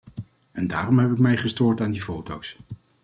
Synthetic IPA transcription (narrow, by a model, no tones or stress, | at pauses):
ɛnda̰ːrɔmɦɛpɪkmɛjχəstʊːɹtaːndifowtows